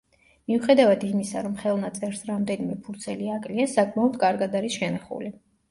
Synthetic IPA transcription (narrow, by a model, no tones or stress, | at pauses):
miuχɛd̪avad̪imisaɾɔmχɛlˠnat̪sʼɛɾsɾamd̪ɛnimɛpʰuɾt̪sʰɛliakʼliasakʼmaɔd̪kʼaɾɡad̪aɾisʃɛnaχṵli